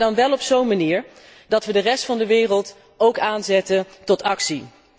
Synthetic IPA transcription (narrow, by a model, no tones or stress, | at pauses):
dɑnʋɛlˠɔpsownmaniːɹ | dɑtʋədərɛstfɑndəʋɪːrəlˠt | owkaːnzɛtəntɔtɑksi